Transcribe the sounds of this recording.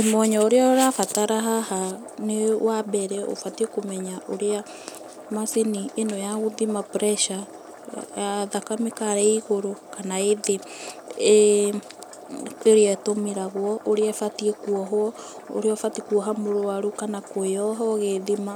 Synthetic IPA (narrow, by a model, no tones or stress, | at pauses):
emɔɲɔoɾeɔɾafataɾaɦaha | newabɛɾɛo̰fatiekomɛɲaʔoɾea | masinienojaɣoðimapɾɛʃa | jaðakamekaɾɛiɣoɾokanaeðe | eɾeɛtomeɾaɣwɔʔoɾeɛfatiekuɔɦwɔ | o̰ɾeɔfatikuɔɦamoɾoaɾukanakoeɔɦɔɣeðima